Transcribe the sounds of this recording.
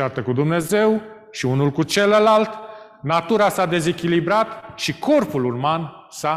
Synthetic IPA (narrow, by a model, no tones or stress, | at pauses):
at̪əkud̪umne̞ze̞w | ʃiunulkut͡ʃe̞ləlalt̪ | nat̪uɾasad̪e̞ze̞kʲilibɾat̪ʃiko̞rpulurman | sa